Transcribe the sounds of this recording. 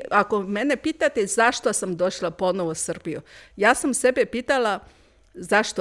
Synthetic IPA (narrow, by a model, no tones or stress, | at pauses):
ako̞mene̞piːt̪at̪ezaʃt̪osamd̪o̞ʃlˠapo̞noʋosr̩bijujaːsamsebepiːt̪ala | zaʃt̪o